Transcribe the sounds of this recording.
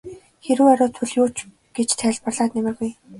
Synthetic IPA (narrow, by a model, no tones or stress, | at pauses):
xeɾɘ̆ŋɔɾɔːt̪ʰɵɮjʊːt͡ɕ | ɡ̥et͡ɕt̪ʰæɮpə̆rɮaːt̪nemɘ̆rɣuj